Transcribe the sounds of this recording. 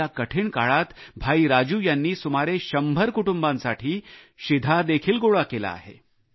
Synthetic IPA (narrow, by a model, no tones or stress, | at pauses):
akəʈʰiɳka̰ɭat̪bʱaiɾad͡ʑuːjanːiːsumaɾeɕəmbʱəɾkuʈumbãnsaʈʰiː | ɕid̪ʱad̪ekʰiːlɡoɭakela̰a̰ɦḛ